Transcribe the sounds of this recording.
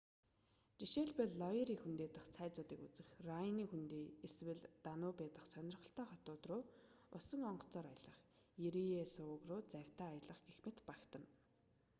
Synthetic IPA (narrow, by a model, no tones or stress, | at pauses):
t͡ɕiʃeːɮpeɮːɔiɾiːxunt̪eːt̪ə̆χt͡sʰæːt͡sʊːt̪iːkut͡sɘ̆xraniːxunt̪eːeswɘ̆ɮt̪anʊːpet̪ə̆χsœnʲɪ̆rχɞ̆ɬt̪œːχɔt̪ʊːt̪rʊːʊsɞ̆ŋɔɴɢɞ̥̆t͡sɔːɾajɮə̆χ | jeɾiesʊʊɣrʊːt͡sæw̥ʲt̪aːjəɮə̆χɡexmɘ̆t̪pakt̪ə̆n